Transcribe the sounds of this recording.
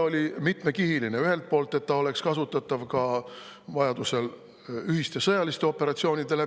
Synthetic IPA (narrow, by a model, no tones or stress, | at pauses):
o̞lʲimit̪me̞kiɦiline̞yɦhe̞lt̪̚po̞ːlt̪ːˑe̞t̪ːɑo̞le̞kskɑsut̪ːˑɑt̪ːˑɑvkɑ | vɑjɑd̪̥use̞l | yhist̪e̞sɤjɑlist̪e̞o̞pːe̞ɾɑt̪sio̞ːnʲid̪̥e̞le